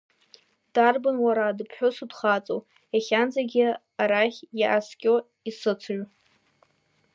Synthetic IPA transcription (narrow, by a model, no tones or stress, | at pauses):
d̥arbɨnwaɾadɨpʰħʷᶣosudχat͡sʼo | jaχʲand͡zaɡʲɪ | aɾaχʲjiʔaskʲʼo | isɨt͡sʰʒʷᶣ